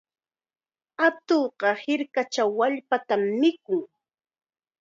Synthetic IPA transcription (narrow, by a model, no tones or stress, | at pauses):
at̪oɢɑhɪɾkat͡ʃawːaʎpat̪amːɪkʊŋ